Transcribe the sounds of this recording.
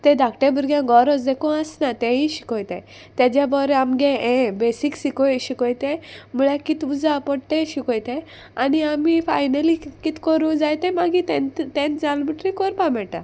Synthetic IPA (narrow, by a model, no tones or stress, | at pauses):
t̪ẽd̪ʱakʈebuɾɡjãɡɔɾɔsd̪ekɔ̃əsnat̪ɛ̃ĩɕi̥kɔ̃jt̪ɛ̰̃ | t̪jad͡ʑabɔɾɛamɡɛɛ̃besiksikɔjɕikɔjt̪ɛ̃muɭɛkit̪ud͡zapɔɽt̪ẽɕikɔjt̪ɛ̃ | aniamifa̰jnəlikit̪kɔɾũd͡zajt̪ɛ̃maɡit̪ɛ̃nt̪t̪ɛ̃nd͡zalmiʈɾikɔɾpamɛʈa